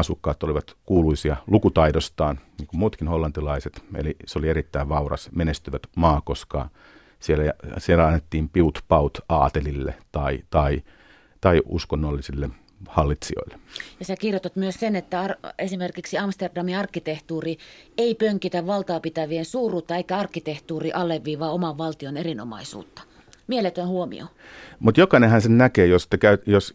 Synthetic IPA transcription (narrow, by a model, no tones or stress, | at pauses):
ɑsukːɑːt̪oliʋɑt̪kuːluisiɑlukut̪ɑidost̪ɑːnniːŋkummuːt̪kinholːɑnt̪ilɑiset̪ḛliseolieɾit̪ːæiʋʋɑurɑ̰smenest̪yʋæt̪mɑːkoskɑ̰ | sielæjɑsielæɑnːet̪ːiːmpiut̪pɑut̪ɑːt̪elilːḛt̪ɑit̪ɑi | t̪ɑiʔṵskonːolːisilːe | hɑlːit̪sio̰ilːe̥jɑsækirjot̪ot̪myøssenet̪ːæɑresimerkiksiɑmst̪erdɑmiɑrkːit̪eht̪uːrieipøŋkit̪æʋʋɑlt̪ɑːpit̪æʋiensuːrˑuːt̪ːɑeikːæɑrkːit̪eht̪uːriʔɑlːˑeʋːiːʋɑːomɑʋʋɑlt̪ionerino̰mɑ̰isṵːt̪ːɑ̥ | mielet̪ønhuomḭo̰ | mut̪jokɑˑnehænsennækeːjost̪ækæyjos